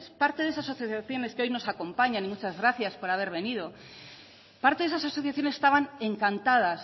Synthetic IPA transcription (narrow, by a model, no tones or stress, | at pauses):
spaɾt̪e̞ðe̞sasoθjoθjaθjo̞ne̞skeo̞jno̞sako̞mpaɲanimut͡ʃazɣɾaθjaspo̞ɾaβ̞e̞ɾβ̞e̞nið̞o̞ | paɾt̪e̞ðesasoaso̞θjaθjo̞nese̥st̪aβane̞ŋkant̪að̞as